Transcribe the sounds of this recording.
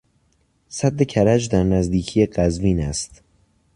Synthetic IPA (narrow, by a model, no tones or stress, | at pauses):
sæd̪ːe̞cʰæɾæd͡ʒd̪æɾnæzd̪iːcʰije̞ɢæzviːnæst̪